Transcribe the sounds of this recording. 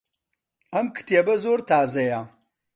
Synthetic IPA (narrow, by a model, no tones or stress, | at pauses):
ɐmkʰɨ̥tʰjɐbɐzoːrtʰaːzɐjaː